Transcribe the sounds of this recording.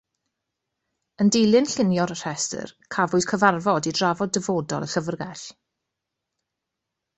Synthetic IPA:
əndejlˠɨnɬɪnjɔɾər̥ɛstə̰rkʰavʊɨd̥kʰəvarvɔdidravɔdəvoːdɔ̰lˠəɬəvrɡɛɬ

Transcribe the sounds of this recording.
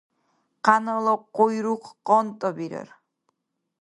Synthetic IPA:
qanəlˠɔqojɾuqʰqɔnt̪ʼɔbiɾə̰ɾ

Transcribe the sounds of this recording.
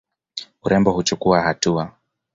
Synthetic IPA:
uɾɛmbɔhut͡ʃukuahatua

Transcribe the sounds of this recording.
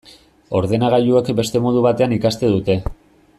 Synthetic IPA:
o̞ɾðe̞naɣ̞aʎuekbe̞st̪e̞mo̞ð̞uβat̪e̞anikast̪e̞ðut̪e̞

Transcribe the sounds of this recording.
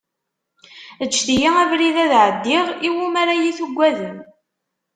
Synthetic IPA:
ət͡ʃːθijaævɾiðæðʕəd̪ːɪʁiwumaɾajiθuɡʷːæðən

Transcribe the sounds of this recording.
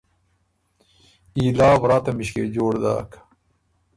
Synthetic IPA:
iːlaːbɾaːt̪ɐmiɕkḛd͡ʑoːɽd̪a̰ːk

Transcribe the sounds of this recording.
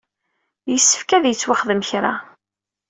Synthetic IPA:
jəsːə̥fkæðjət͡sːwaχðəmçɾa̰

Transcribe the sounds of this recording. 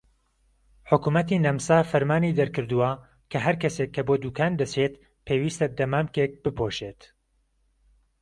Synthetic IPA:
ħʊkumɐt̪iːnɐmsaːfɐɾmaːniːd̪ɐɾkɨɾd̪uwɐ | kʰɐɦɐɾkɐsekʰːɐboːd̪uːkʰaːnd̪ɐt͡sʰet̪ | pʰeːwiːst̪ɐd̪ɐmaːmkek̚b̥ɨpʰoːʃeːt̪

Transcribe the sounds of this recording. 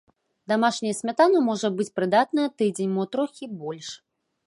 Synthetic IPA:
d̪amaʂnʲɐjɐsʲmʲat̪anɐmɔʐɐbɨt͡sʲpɾɨd̪at̪nɐjɐt̪ɨd͡zʲenʲmɔt̪ɾɔxʲibɔlʲʂ

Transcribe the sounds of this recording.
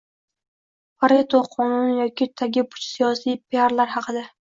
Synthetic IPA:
paɾet̪ʰoqʰɒnʊnjɒkʲɪt̪ʰaɡʲɪpʰʊ̥t͡ʃsijɒsijpʰeaɾlaɾhɑqʰɨd̪a

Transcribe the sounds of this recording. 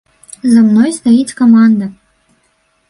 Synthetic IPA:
zamnɔjst̪ajit͡sʲkamand̪ɐ

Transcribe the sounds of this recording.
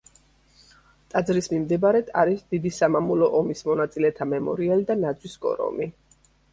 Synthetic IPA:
t̪ʼad̪zɾismimd̪ɛbaɾɛt̪ʰa̰ɾisd̪id̪isamamulɔʔɔmismɔnat̪sʼilɛt̪ʰamɛmɔ̰ɾialid̪anad̪zwisɡʼɔ̰ɾɔ̰mi

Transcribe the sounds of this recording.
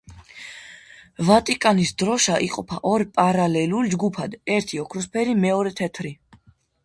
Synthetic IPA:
vat̪ʼikʼanisd̪ɾɔʃaʔiqʼɔpʰaʔɔɾpʼaɾalɛluld͡ʒɡupʰad̪ɛɾt̪ʰiɔkʰɾɔspʰɛɾimɛɔɾɛt̪ʰɛt̪ʰɾi

